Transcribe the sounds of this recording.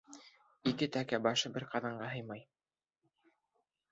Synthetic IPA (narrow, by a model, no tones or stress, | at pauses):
ikɘt̪ækæbɑʃɤbɘɾqɑðɑɴɢɑɦɤ̆jmɑj